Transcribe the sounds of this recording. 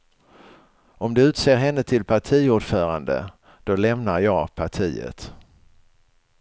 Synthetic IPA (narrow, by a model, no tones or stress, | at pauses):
ɔmd̪ɛʉ̟ːt̪seːɾɦɛnːət̪ʰɪlpʰaʈʰiːuːɖfœːɾand̪ə̰ | d̪̥ɔlɛmnaɾjɑːɡpʰaʈʰiːə̰t̪